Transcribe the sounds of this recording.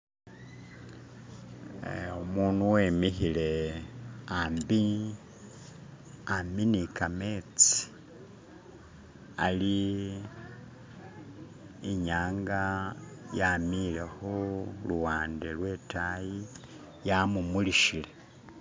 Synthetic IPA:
omuːnuwe̞miçile̞ | ambi | aminikame̞t͡si̥ | a̰li | ɲaːŋɡajamile̞xoluwaːndelwe̞taji | jamumuliʃile̞

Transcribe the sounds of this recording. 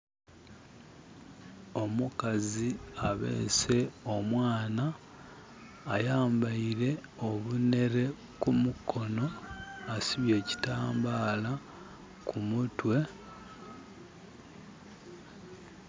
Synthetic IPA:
o̞mukaziaβḛːse̞o̞mwaːna | jaːmbaiɾe̞o̞βune̞ɾe̞ | kumukʰo̞no̞asiβje̞ːci̥taːmbaːla | kʰumutwe̞

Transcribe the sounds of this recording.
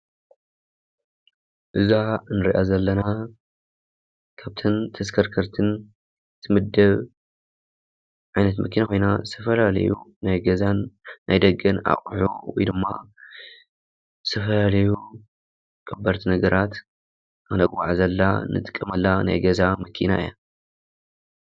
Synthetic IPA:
ʔɨzanɨɾḭʔazɐlːɐna | kʰaβt̪ʰɐnt̪ʰɐskʰɐɾkʰɐɾt̪ʰɨn | ɨt̪ʰɨmɨd̪ːɐβ | ʕajnɐt̪mʔɐkʰinakʰo̞jnaɨst̪ʰɐfɐlalɐ̰jṵnajɡɐzanːʔajd̪ɐɡɐna̰χʼħṵwɔ̰jd̪ɨmːa̰ | ɨst̪ʰɐfɐlalɐju | kʰʼɐbːɐɾt̪ʰinɐɡɐɾʔat̪ | ɨnɐɡʼwaʕzɐlːa̰nɨ̰t̪ʼɨ̥kʼːɐmɐlːana̰jɡɐzamɐkʰina̰ʔɨ̰ja

